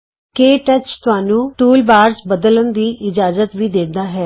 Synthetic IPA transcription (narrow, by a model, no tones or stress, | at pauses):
keːʈət͡ʃt̪ʊaːnũːʈuːlbaːɾzbəd̪ələnd̪iːʔɪd͡ʒaːzət̪ʋiːd̪eːd̪aːɦɛː